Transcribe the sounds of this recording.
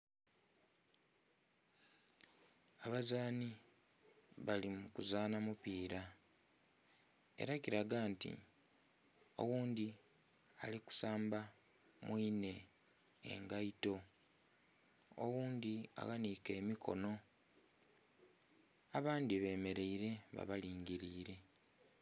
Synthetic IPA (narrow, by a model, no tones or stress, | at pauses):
aβazaːni | βalimukuzaːnamupiːɾa | e̞̰ɾakiɾaɡaːntḭ | o̞̰wuːndi | a̰liku̥saːmba | mwiːne̞ | ḛŋɡaito̞ | o̰wuːndia̰ɣanikeːmikʰo̞̰no̞ | aβaːndiβe̞ːme̞ɾe̞iɾe̞βa̰βaliːŋɟiɾiːɾe̞